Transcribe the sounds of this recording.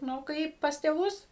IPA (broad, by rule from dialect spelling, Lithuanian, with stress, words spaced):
ˈnʊ ˈkɐɪp pɐs tʲeːˈʋʊs